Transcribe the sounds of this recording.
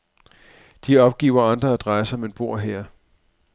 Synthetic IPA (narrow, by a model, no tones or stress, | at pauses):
d̥iɒ̽b̥̚ɡ̥ḭːʊɐɑ̈nd̥ʁɐæd̥ʁɑ̈ɪsəɒ̽me̝nb̥o̝ɐ̰ɦeɐ̰